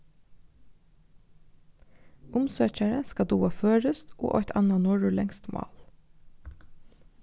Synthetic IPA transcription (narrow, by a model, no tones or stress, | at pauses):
ʊmsøːçæɹəskɑd̪uːɑføːɹəst̪ʔo̰ːʔɔt̪ʰɑnɑnoːɖʉːlɛŋst̪mɑ̰ːl